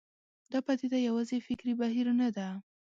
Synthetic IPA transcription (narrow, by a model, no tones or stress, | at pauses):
d̪̥ɑpad̪ed̪ajawɑzefɪkɾibaɦiɾnad̪a